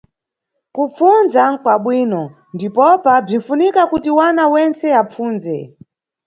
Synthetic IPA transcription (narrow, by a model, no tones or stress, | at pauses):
kup͡funzakwaɓwiːnɔ | ndipɔpab͡ʐin̩funikakutiwanawɛnt͡sɛap͡fuːnzɛ̰